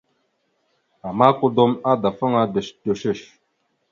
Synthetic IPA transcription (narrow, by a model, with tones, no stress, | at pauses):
a˨ma˦ku˦do˦ma˦da˨fə˦ŋa˦də˨ʃdə˨ʃə˦˨ʃ